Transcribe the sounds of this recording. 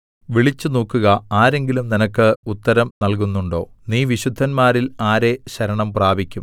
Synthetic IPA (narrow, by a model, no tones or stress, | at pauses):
ʋiɭit͡ɕːɨnoːkːuɣɐaːɾe̞ŋɡilumninɐkːɨut̪ːɐɾɐmnɐlk̬unːuɳɖo̞̰ː | niːʋiɕud̪ʱːɐnmaːɾilaːɾe̞ɕɐɾɐɳɐmpraːbʱikʲːum